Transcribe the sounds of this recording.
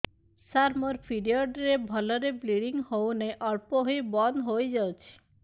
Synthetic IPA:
saɾmɔɾpʰiɾiɔɖɾebʱɔlɔɾebliɽiŋhowneʔɔɾpɔɦojbɔnd̪ɦojd͡ʒawt͡ʃʰi̥

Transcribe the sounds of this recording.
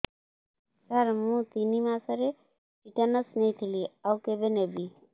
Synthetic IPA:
sɐɾmũt̪inimãsəɾe | piʈənəsnet̪ʰiliawkebenebʱi

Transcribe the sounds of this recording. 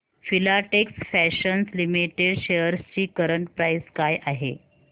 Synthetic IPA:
filaʈeksfæɕənslimiʈeɖɕejəɾst͡ɕiːkəɾəɳʈpɾajskajʔaɦḛ

